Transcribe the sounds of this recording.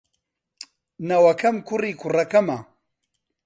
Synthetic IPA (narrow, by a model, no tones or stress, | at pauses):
nɐwɐkʰɐmkʰuriːkʰurɐkɐmɐ